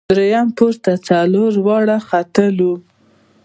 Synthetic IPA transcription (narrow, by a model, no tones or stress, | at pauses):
ɾejampuɾt̪at͡saloɾwɑɽaxat̪əlu